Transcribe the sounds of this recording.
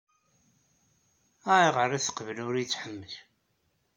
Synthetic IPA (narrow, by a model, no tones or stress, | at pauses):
æʕiʁəriθə̥qːvəlʊɾijt͡sːħəmːəl